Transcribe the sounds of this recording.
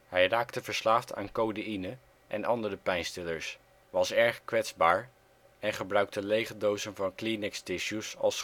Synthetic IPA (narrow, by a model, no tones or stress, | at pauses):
hɛjraːktəvəɹslaːftʰa̰ːnkowdəinə | ʔɛnʔɑndərəpɛjnstɪləɹs | ʋɑsɛɹχkʋɛtzbaːɹ | ɛnχəbrœɥk̚təlejχədowzənvɑnklinɪkstɪʃjusɑ̰lˠs